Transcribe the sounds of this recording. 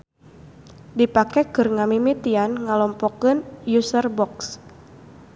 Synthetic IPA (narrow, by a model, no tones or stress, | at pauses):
dipakɛkɨrŋamimit̪ianŋalɔmpɔkɨnjusərbɔks